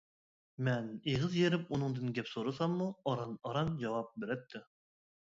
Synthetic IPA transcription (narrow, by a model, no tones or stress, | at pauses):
mɛneʁɨzjeɾɪpunɨŋd̪ɨnɡʲɛpsoɾɨsɑmːuɑɾɑnɑɾɑnd͡ʒɑwɑp̚beɾɛt̪ʰːɪ